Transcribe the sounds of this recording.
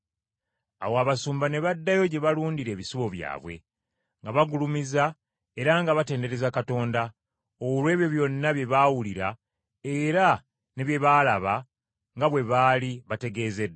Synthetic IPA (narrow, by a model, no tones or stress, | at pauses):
a̰woaβasuːmbane̞βadːajo̞ɟe̞βaluːndiɾe̞ːβisiβo̞βja̰ːβwe̞̰ | ŋɡaβaɡulumiza | e̞ɾaŋɡaβate̞ːnde̞ɾe̞zakato̞ːnda | olwe̞ːβjo̞βjo̞nːaβje̞βawuliɾa | eɾa | ne̞βje̞βalaβa | ŋɡaβwe̞βaliβate̞ɡe̞ːzedː